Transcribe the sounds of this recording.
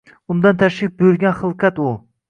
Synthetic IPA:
ʊnd̪ɑnt̪ʰæʃlɪk̚ʲbojyɾɡʲɛnχɨlˠqʰat̪u

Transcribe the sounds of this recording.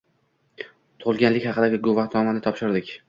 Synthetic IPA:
t̪ʰʊʊlˠɡʲanlɪkʲhɑqɨd̪aɡʲɪɡovaht̪ʰɒmanɪt̪ʰɒpʃɪɾd̪ɪkʲ

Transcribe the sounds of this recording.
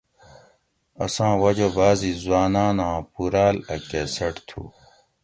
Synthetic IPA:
ɐsãːwɐd͡ʑobaːzizwaːnaːnãːpuɾaːlɐkeːsɐʈt̪ʰṵː

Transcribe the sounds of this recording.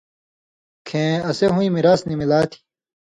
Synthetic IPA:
kʰẽːɐseɦũĩmiɾaːsnimilaːt̪ʰi̥

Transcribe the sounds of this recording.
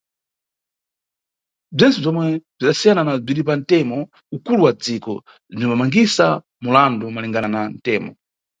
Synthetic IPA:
b͡ʐint͡sub͡ʐɔmwɛb͡ʐʷiɗasijananab͡ʐiɗip̬an̩tɛmɔ | ukuluwad͡zikɔ̰ | b͡ʐinɔmamaŋɡisa | mulandumalɛŋɡanan̩tɛːmɔ̰

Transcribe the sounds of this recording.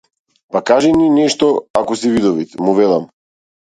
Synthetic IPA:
pakaʒɛninɛʃt̪ɔakɔsivid̪ɔvit̪ɛmuvɛlˠam

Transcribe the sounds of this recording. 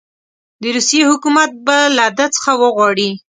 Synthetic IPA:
d̪əɾusjehʊkumat̪̚balad̪at͡sə̥xawəɣwɑɽi

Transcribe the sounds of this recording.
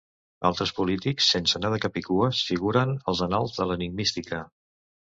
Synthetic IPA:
a̰lˠt̪ɾəspulit̪iksːensənaðəkəpikuəsfiɣ̞uɾənəlˠzənalˠzðələniŋmist̪ikə

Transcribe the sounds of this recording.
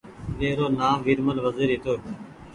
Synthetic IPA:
ɗeːɾoːnaːmʋiːɾməlʋəziːɾɦiːt̪oː

